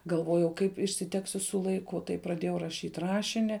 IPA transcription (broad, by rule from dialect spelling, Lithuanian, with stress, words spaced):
ɡɐlˠˈʋoːjɛʊ kɐɪp ɪʃʲsʲɪˈtʲæːksʲʊ sʊ lˠɐɪˈkʊ tɐɪ prɐˈdʲeːjɛʊ rɐˈʃʲiːtʲ ˈrɑːʃʲɪnʲɪ